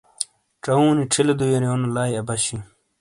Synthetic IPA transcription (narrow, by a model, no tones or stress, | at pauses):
ʈ͡ʂɐũːniʈ͡ʂʰilɐd̪ujɐɾjoːnolaːjɐbɐɕi